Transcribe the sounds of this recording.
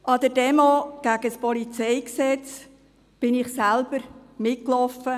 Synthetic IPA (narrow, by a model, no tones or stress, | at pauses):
ʔɑd̪əɾdɛmoɡ̥æɡəspɔlit͡sɛjksɛt͡s | b̥ɪnɪχsælb̥əɾmɪklɔfə